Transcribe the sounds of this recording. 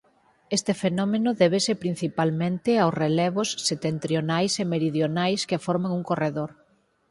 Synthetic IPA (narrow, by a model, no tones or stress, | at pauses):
est̪ɪfenɔmenʊðɛβ̞esepɾin̟θipalmẽnt̪ɪawsrelɛβ̞ʊsːet̪ent̪ɾjonajsemeɾiðjonajskefɔɾmaŋuŋkoreðoɾ